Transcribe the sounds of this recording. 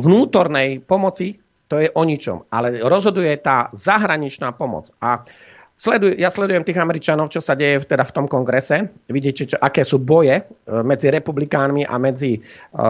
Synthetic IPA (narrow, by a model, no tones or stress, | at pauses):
ʋnuːt̪ɔɾnɛjpɔmɔt͡si | t̪ɔjɛʔɔɲit͡ʃɔ̰malɛɾɔzɦɔd̪ujɛt̪aːzaɦɾaɲit͡ʃnaːpɔmɔ̰t͡sa | slɛd̪ujɛjaslɛd̪ujɛmt̪iːɣamɛɾit͡ʃanɔʊt͡ʃɔsaɟɛjɛft̪ɛd̪aft̪ɔmkɔŋɡɾɛsɛʋiɟɪɛcɛɔʔakɛːsuːbɔjɛmɛd͡ziɾɛpublikaːnmiʔa̰mɛd͡zi